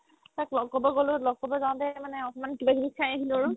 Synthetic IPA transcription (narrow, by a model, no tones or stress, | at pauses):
taklɔɡkɔbɔɡɔlʊlɔɡkɔbɔzaw̃tɛmanɛɔkɔmankibaɡinikʰajaɦilɹʊ